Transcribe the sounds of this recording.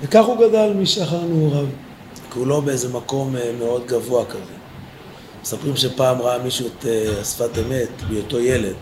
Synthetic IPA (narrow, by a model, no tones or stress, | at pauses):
vekaχuɡadalmiʃaχanuʁav | kulo̞beeze̞mako̞mmeo̞dɡavoakaze | mesapʁimʃe̞paːmʁaamiʃueteasfateme̞tbeoto̞je̞le̞d